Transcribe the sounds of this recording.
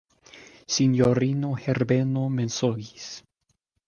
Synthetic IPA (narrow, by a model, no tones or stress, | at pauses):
sinjoɾinoheɾbenomensoɡis